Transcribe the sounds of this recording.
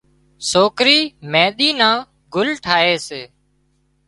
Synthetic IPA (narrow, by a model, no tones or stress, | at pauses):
soːkɾiːmẽːɗ̪iːnãː | ɡʊlʈʰaːeːseː